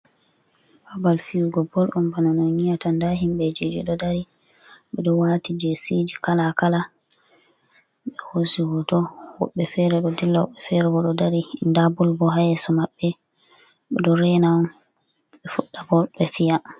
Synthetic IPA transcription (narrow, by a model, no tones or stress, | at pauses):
babalfiuɡɔbɔlʔɔnbananɔɲijatandaɦimɓɛd͡ʒid͡ʒiɗɔdaɾi | ɓɛɗɔwatid͡ʒesid͡ʒikalakala | ɓɛhosiwɔtɔwɔ̰ɓːɛfɛɾɛɗɔdilːaɓɛfɛɾɛbɔɗɔdaɾindabulbɔɦajɛsɔmaɓːɛ | ɓɛ̰dɔɾɛnaɔn | ɓɛfuɗːabɔbɛfija